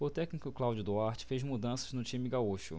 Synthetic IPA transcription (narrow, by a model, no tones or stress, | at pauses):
ʊt̪ɛknikʊklawd͡ʒʊd̪uaɾt͡ʃɪ̥fezmud̪ɐ̃sɐ̥znʊt͡ʃĩmɪɡauʃʊ̰